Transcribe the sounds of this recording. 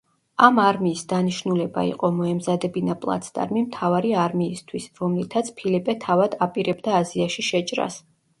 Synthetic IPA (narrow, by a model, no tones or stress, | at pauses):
amaɾmiːsd̪aniʃnulɛba̰ḭqʼɔmɔɛmzad̪ɛbinapʼlˠa̰t̪sʰt̪ʼa̰ɾmimt̪ʰavaɾiaɾmiːst̪ʰwisɾɔmlit̪ʰat̪sʰpʰilipʼɛt̪ʰavad̪apʼiɾɛbd̪aːziaʃiʃɛt͡ʃʼɾa̰s